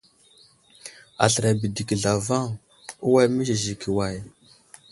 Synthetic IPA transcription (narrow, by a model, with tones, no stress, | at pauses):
a̰˨ɬə˨ɾa˨bi˨di˨ki˨ɮa˨va˦ŋ | u˦wa˦jmi˦zi˨ʒi˨ki˨wa˨j